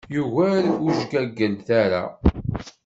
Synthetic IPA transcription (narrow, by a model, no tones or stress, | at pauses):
juʝæɾuʒɡæɡːənθæɾa̰